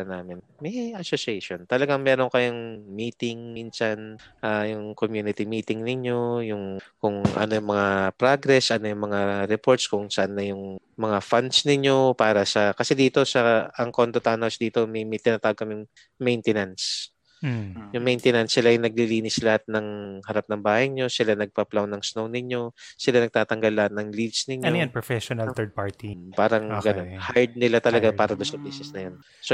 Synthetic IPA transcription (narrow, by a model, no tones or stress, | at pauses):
ɐnaːmɪnmɐjʔɐsosejʃont̪ɐlɐɡaŋmɛːɾo̞ŋkɐjaŋmiːt̪ɪŋinsanʔaːjʊŋkomjuːnɪt̪imiːt̪ɪŋnɪɲo̞jʊŋkʊŋʔɐ̰nojʊŋmɐŋapɾaɡɾɛsʔɐnojʊŋmɐŋaɾɛpo̞ɹt̪skʊŋsɐʔanːɐjʊŋmɐŋafand̪snɪɲjo̞paːɾɐsɐkɐsɛd̪iːt̪o̞sɐʔɐŋkont̪ot̪anɐwsd̪iːt̪o̞mɐjmɐjt̪ɪnat̪aːwɡ̚kɐmɪŋ | mɛjnt̪ɛnans | jʊŋmɛjnt̪ɛnɐnsːɪlajnɐɡ̚liliːnɪslɐhat̪̚nɐŋhɐɾap̚nɐŋbaːhɐjɲo̞sɪlanɐɡ̚pɐplawnːɐŋsnownɪɲːo̞sɪlanɐɡ̚t̪aːt̪ɐŋɡalːɐhat̪̚nɐŋlid̪snɪɲjojanpɹofɛʃonɐlt̪əd̪̚paɹt̪ipaːɾɐŋɡɐnonhaɹd̪̚nɪlat̪ɐlɐɡapaːɾɐd̪onsɐbiːsɛsnɐjon | so